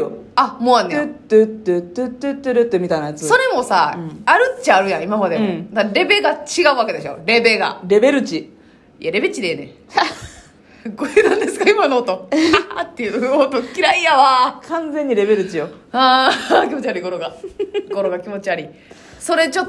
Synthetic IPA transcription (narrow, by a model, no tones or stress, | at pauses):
amoːanːet̪ːɯt̪ːɯt̪ːɯt̪ːɯt̪ːɯɾɯt̪ːɯmʲit̪ainajat͡sɨso̞ɾe̞mo̞sãaɾɯ̟tːiaɾɯ̟jãimamad̪ẽd̪aɾe̞be̞ɡat͡ɕiɡaɯ̟βake̞d̪e̞ɕo̞̰ɾe̞be̞ɡa̰ɾe̞be̞ɾɯ̟t͡ɕi | ḭaɾe̞bet͡ɕid̪eone̞̰ | ɡoenãnd̪e̞sɨ̥kaimanoːt̪o̞t̪ːe̞jɯot̪o̞kʲiɾaijaβakʰãnd͡zẽ̞ɲ̟ːiɾe̞be̞ɾɯ̟t͡ɕijo | aːkʲimo̞t͡ɕiaɾʲiɡo̞ɾo̞ɡaɡ̥o̞ɾoɡakʲimo̞t͡ɕiaɾʲi | so̞ɾe̞t͡ɕot̪ː